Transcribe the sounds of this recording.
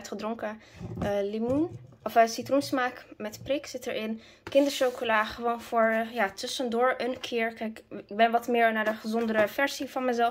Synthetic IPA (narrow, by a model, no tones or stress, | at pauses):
tχədrɔŋkə | limunʔɔfəsitrunsmaːkmɛtprɪksɪtəɹɪn | kɪndəɹʃokolaːχəʋoːnfʊːɹjaːtʏsəndʊːɹənkʰɪːɹkɛjkɪɡ̚bɛnʋɑtmɪːɹnadəχəzɔndəɾəfɛɹzifɑnmɛzɛlˠ